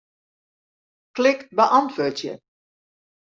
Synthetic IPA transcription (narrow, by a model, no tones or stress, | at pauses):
klɪktbəʔɑntʋotjə̰